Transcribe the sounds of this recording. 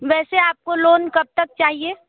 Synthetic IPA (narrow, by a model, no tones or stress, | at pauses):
ʋɛːseaːp̚koloːnkɐb̚t̪ɐk̚t͡ʃaːɦieː